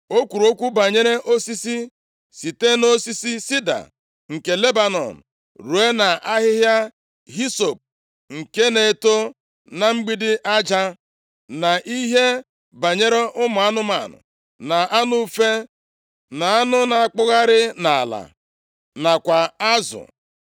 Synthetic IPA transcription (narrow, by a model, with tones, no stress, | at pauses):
o˦kʷu˨ɾo˦kʷu˦ba˨ɲe˦ɾe˦ʔo˦si˦si˦ | si˨te˦no˦si˦si˦si˦da̰˨ | ŋ̩˨ke˨le˦ba˨nɔ̰˨n̩˨ | ɾu˨e˦na˨a˦ɦɪ˦ɦja˦ | ɦi˦so˨p̚ | ŋ̩˨ke˦ne˨e˦to˦ | na˨ŋ͡m̩˦ɡ͡bi˦dɪ˦ʔa˦d͡ʒa˦ | na˨ʔi˦ɦe˦ | ba˨ɲe˦ɾe˦ʔʊ˦mʊ˨a˦nʊ˦ma̰˨nʊ̰˨ | na˨ʔa˦nʊ˦fe˦ | na˨a˦nʊ˦na˨a˨k͡pʊ˦ɣa˦ɾɪ˦na˨a̰˨la̰˨ | na˨kʷa˨a˦zʊ̰˨